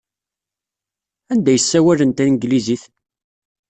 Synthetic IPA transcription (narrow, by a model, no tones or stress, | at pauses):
ænd̪æjəsːæwælənt̪ænɡliziθ